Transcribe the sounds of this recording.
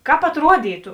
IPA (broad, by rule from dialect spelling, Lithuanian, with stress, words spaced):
ˈkɑːp ɐtˈruɔdʲiːtʊ